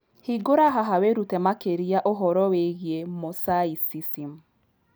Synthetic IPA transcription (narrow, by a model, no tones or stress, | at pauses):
hiɡoɾaɦaɦaweɾutɛmakeɾiaʔoɦɔɾɔweɣjemosaisisim